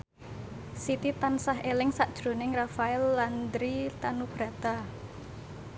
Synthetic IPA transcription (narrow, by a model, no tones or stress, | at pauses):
sit̪it̪ansaɦelɪŋsaʔd̥ʒ̥ɾo̤nɪŋrafaɛlːand̪ɾit̪anub̥ɾa̤t̪a